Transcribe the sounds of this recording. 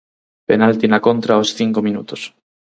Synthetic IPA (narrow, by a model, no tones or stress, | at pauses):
penalt̪inakont̪ɾaosθiŋkomĩnṵt̪os